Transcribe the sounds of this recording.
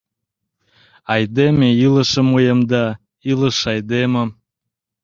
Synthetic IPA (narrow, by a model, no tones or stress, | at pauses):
ɑjd̪emeiləʃəmujəmd̪ɑ | iləʃɑjd̪eməm